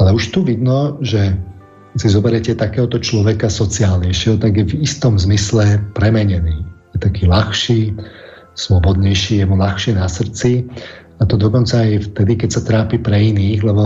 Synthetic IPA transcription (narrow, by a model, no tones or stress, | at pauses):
alɛuʃt̪uʋid̪nɔʒɛ | sizɔbɛɾɛcɛt̪akɛːɦɔt̪ɔt͡ʃlɔʋɛkasɔt͡siaːlɲɛjʃjɛɦɔt̪aɡjɛvist̪ɔmzmislɛpɾɛmɛɲɛniːjɛt̪akiːlaxʃiː | slɔbɔd̪ɲɛjʃiːjɛmulaxʃɪɛnasr̩t͡si | at̪ɔd̪ɔkɔnt͡saːjft̪ɛd̪ikɛcsat̪ɾaːpipɾɛiniːɣlɛbɔ